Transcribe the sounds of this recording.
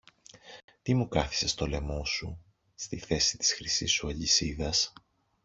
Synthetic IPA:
t̪imukɐθi̥se̞st̪o̞le̞mo̞su | st̪iθe̞si̥t̪i̥sxɾisisuɐʎisiðɐs

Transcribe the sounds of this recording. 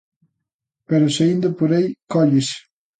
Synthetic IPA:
peɾoseind̪apuɾejkɔʎes

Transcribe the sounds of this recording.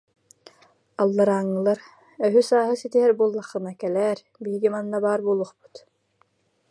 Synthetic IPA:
alˠːaɾaːŋːɯlˠaɾ | œɦysaːɦɯsit̪iɦɛɾbuɔlˠːaχːɯnakɛlɛːɾ | biɦɡimanːabaːɾbuːlˠuχpu̥t̪

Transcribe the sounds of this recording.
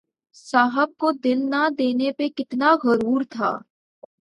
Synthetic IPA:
saːɦəb̚kod̪ɪlnad̪eːnepekɪt̪naɣɐɾuːɾt̪ʰa̰ː

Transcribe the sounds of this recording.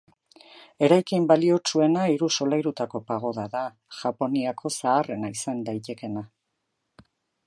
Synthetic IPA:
e̞ɾajkimbalio̞t͡ʃue̞naiɾuso̞lajɾut̪ako̞paɣ̞o̞ðaða | ʝ̥apo̞niakʰo̞saːre̞naisand̪ajt̪e̞ke̞na

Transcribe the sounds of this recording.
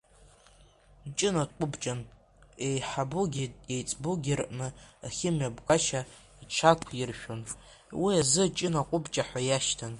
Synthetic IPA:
t͡ʃʼɪnakʷʼʊbt͡ʃʼan | ejħabuɡʲiejt͡sʼbuɡʲirʔnɨaχʲɪmjabkʼaʃa | it͡ʃʷʰakʷʰirʃᶣon | wiazɨt͡ʃʼɪnaqʷʼʊbt͡ʃʼaħʷajaʃtʰan

